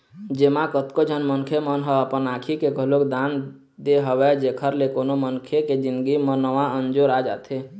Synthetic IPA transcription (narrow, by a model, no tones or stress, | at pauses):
d͡ʒemãkət̪kod͡ʒʱənmənkʰemənɦəəpənakʰikeɡəɦlokd̪an | d̪eɦəwɛd͡ʒekʰəɾlekonomənkʰeked͡ʒind̪ɡimənəʋãənd͡ʒoɾad͡ʒa̰t̪ʰe